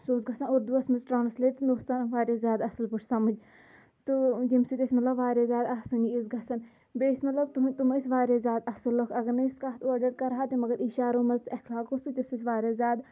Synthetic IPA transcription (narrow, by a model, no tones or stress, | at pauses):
suːzɡɐsɐnuɾd̪uɐsmɐzʈɾaːnɐsleːt̪inoːst̪aːnʋaːɾjaːzʲjaːd̪ɐsɨlpuʈʰʲsɐmɐd͡ʒ | t̪ujimsit̪esʲmɐt̪lɐbʋaːɾʲaːzʲaːd̪ɐsɨniizɡɐsɐn | besʲmɐt̪lɐbt̪ut̪umɐsʲʋaːɾʲaːzʲjaːd̪ɐsɨlːokʰɐɡɐɾnɐiskaːt̪oːɾɖɐɾkɐɾɦaːt̪imɐɡɐɾiʃaːɾoːmɐzt̪ɐkʰlaːkosɨt̪ʲisusʲʋaːɾʲaːzʲaːd̪